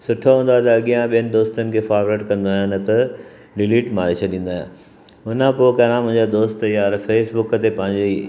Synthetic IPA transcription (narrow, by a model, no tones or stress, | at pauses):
sʊʈʰoɦũːnd̪oaːɛt̪ɐːɠijãɓijənɪ̆d̪oːst̪ənɪ̆kʰeːfaːɾʋɾeːʈkɐ̃nd̪aːɦɪnɪ̆t̪ɐ | ɖɪliːʈmaːɾet͡ɕʰɐɗĩːn̆d̪aːɦɪ̃n | ʊnəpokɐɾãmʊ̃ɦɪ̃ɲd͡ʑad̪oːst̪jaːɾfeːsbʊkət̪epɐ̃ɦɪ̃ɲd͡ʑe